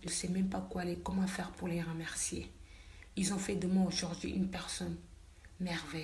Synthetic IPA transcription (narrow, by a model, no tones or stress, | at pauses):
ʒsɛmɛ̃mpakwaalekɔmɑ̃fɛʁpuʁleʁəmɛʁsje | ilzɔ̃fɛd̪əmɛ̃oʒuʁd̪ɥḭʔynpɛʁsɔn | mɛʁvɛj